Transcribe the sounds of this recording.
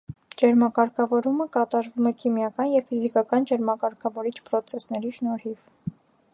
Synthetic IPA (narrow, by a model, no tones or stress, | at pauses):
d͡ʒɛɾmɑkɑɾkʰɑvɔɾuməkɑt̪ɑɾvumɛkʰimjɑkɑnjɛvfizikɑkɑnd͡ʒɛɾmɑkɑɾkʰɑvɔɾit͡ʃʰpɾɔt͡sʰɛsnɛɾiʃnɔɾhiv